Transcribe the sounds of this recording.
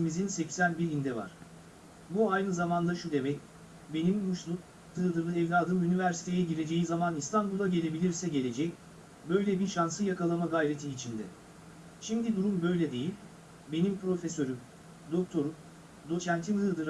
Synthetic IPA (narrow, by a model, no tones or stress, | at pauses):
imizinsɛcsænbiɾind̪ɛva̰ɾ̥ | buajnɯzamand̪aʃud̪e̞mɛc | be̞nimbuʃlˠuk̚ | hɯːd̪ɯɾlˠɯɛvlʲaːd̪ɯmynivæɾsi̥t̪ʰe̞jɛɟiɾe̞d͡ʒe̞jizamanist̪ʰanbulˠaɟe̞lʲe̞bilʲiɾsɛɟe̞lʲe̞d͡ʒɛc | bø̞jlʲɛbiɾʃansɯjakalˠamaɡajɾe̞t̪ʰiːt͡ʃʰind̪ɛ | ʃimd̪id̪uɾumbø̞jlʲɛd̪e̞jilʲ | be̞nimpɾo̞fesø̞ɾym | d̪o̞k̚t̪ʰo̞ɾum | d̪o̞t͡ʃʰænt̪ʰilʲhɯːd̪ɯɾ